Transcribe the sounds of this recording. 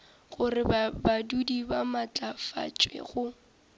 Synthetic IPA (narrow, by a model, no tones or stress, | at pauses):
ɣʊrɪbadudibamat͡ɬʼafa̰t͡ʃʼwḛɣʊ